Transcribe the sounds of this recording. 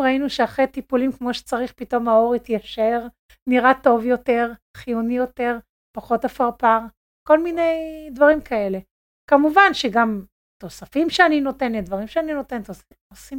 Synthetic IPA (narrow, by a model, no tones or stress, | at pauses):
ʁainuʃeaχʁet̪ipulimkmo̞ʃe̥t͡saʁiχpito̞mao̞ʁit̪jaʃeʁ | niʁat̪o̞vjo̞te̞ʁχijunijo̞te̞ʁ | paχo̞tafaʁpaʁ | ko̞lmine̞jd̪vaʁimkae̞le̞ | kamuvanʃeɡam | t̪o̞safimʃeanino̞t̪e̞nled̪vaʁimʃeanino̞t̪ent̪os | osim